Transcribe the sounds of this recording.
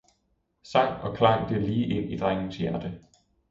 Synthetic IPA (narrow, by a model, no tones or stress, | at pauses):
sɑ̈ŋ̰ɒ̽kʰlɑ̈ŋ̰d̥e̝liːʔe̝n̰id̥ʁaŋ̰n̩sjæɐd̥ə